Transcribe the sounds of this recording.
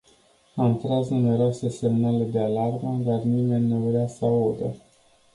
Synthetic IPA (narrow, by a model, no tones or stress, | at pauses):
aɨnt̪ɾaznume̞ɾoase̞se̞mnale̞d̪e̞alarməd̪arnime̞nʲːevɾeasəaod̪ə